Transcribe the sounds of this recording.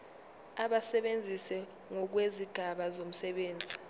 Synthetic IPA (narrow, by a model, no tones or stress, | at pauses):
aɓasɛɓend͡zʱisɛ | ŋɔk̬weziɡ̥ʱaɓazom̩sɛɓeːnd͡zʱi